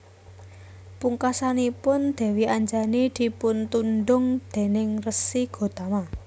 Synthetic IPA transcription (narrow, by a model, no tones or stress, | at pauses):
puŋkasanipʊnd̪̥ɛ̤wiaɲd͡ʒanid̪̥i̤punt̪unɖʊŋd̪̥e̤nɪŋrəsiɡ̥o̤t̪ama